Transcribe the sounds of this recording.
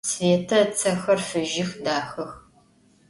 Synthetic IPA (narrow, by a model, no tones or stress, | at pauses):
sveːtʰɐt͡sʰɐxɐrfɨʒɪxdaːxɐx